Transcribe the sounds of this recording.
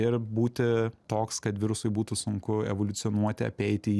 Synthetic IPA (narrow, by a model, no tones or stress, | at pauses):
ɪɾbuːt̪ʲɪt̪oːkskɐt̪ʋʲɪɾʊsʊɪbuːt̪ʊsʊŋkʊɛ̰ʋolʲʊt̪sʲɪɔnuɔt̪ʲɪɐ̰pʲɛɪt̪ʲɪ